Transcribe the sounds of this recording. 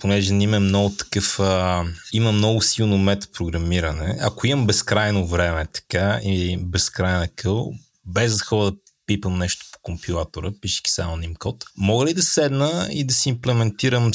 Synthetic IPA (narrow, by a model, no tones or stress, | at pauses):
ponɛʒɛnimɛmnɔɡʊt̪ɐ̥kɤfəiməmnɔɡʊsilˠnomɛt̪pɾoɡɾɐmiɾənɛɐ̰koiməmbɛskɾajnovɾɛmɛt̪ɐ̥kaibɛskɾajnəkʰɤlˠ | bɛzd̪ɐxɔɾəd̪ɐ | pipəmnɛʃt̪o̥po̥kompilˠat̪oɾəpiʃɛ̥kʲi̥sa̰monimkɔt̪mɔɡəlid̪ɐsɛd̪nəḭd̪ɐsiimplɛmɛnt̪iɾəm